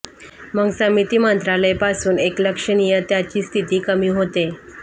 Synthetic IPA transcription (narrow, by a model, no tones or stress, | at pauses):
məɡsəmit̪iːmənt̪ɾaləjpasuːnekləkʂəñijət̪jat͡ɕiːst̪ʰit̪iːkəmiːɦot̪e